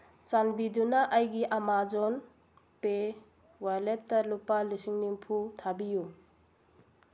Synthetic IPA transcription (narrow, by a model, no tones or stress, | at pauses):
sanbidunaʔajɡiʔamazɔn | pe | waletːɐlupːalisiŋnimpʰutʰabiju